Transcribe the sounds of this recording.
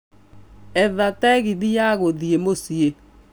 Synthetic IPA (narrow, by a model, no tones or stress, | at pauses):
ɛðatɛɣiðijaɣoðiemosie